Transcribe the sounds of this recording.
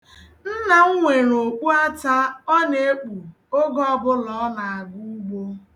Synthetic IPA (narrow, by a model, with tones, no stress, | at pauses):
n̩˦na˨ŋ̩˦ŋʷe˨ɾo˨k͡pu˦a˦ta˦ɔ˦ne˨e˦k͡pu˨ | o˦ɡɔ˦˨bʊ˦lɔ˨˦na˨a˨ɡu˦u˦ɡ͡bo˦